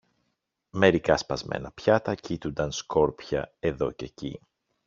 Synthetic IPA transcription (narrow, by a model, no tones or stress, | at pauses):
me̞ɾikɐspɐzmʔḛnɐpçɐt̪ɐcit̪und̪ɐnsko̞ɾpçɐ̰e̞ðo̞ce̞cḭ